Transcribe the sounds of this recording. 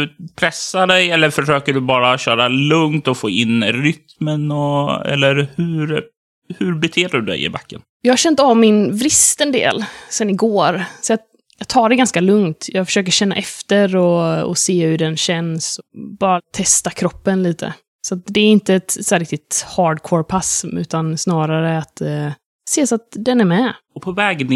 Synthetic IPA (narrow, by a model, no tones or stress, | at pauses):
ɵpʰɾɛsːaɖɛjɛlːəɾfœʂøːkəɖɵbɑːɾaɕœːɾalɵŋt̪ɔfoːɪnːɾʏt̪mənɔɛ̰lːəɾhʉɾ | hʉɾbɛt̪ʰeːdɵd̪ɛ̰jɪ̰bakːənjɑːɡhaɾɕɛnt̪avmɪnvɾɪst̪ɛnd̪ḛːlsɛnɪɡoːɾsɔjɑ | jɑːɡt̪ʰɑːɖɛɡanskalɵŋt̪jɑːɡfœ̥ʂøːk̬əɕɛnːaʔɛft̪əɾɔɔ̰seːhɵɖɛnɕɛnsɔbɑːɾat̪ʰɛst̪akʰɾɔpːənliːt̪ʰə̰ | sɔat̪̚d̪ɛːɾɪnt̪əɛt̪sɛɾɪk̚t̪ɪt̪hɑːɖkʰwɔɾpʰasʉ̟ːt̪ansnɑːɾaɾəat̪ | seːsat̪d̪ɛnæɾmɛɔpʰɔvɛːɡnɪ